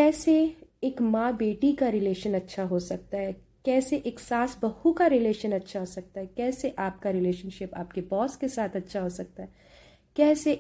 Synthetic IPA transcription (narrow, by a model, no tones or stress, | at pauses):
kɛːseeːkmãːbeːʈikaɾɪleːʃənɐtːʃʰaɦosɐk̚t̪aɦɛ | kɛːseʔeːksaːsbɐhukaɾɪleːʃənɐtːʃʰaɦosɐk̚t̪aɦɛkɛːseʔaːp̚kaɾɪleːʃənʃɪpa̰ːpkebɔːskesaːt̪ʰɐtːʃʰaɦosɐk̚t̪aɦɛ | kɛːse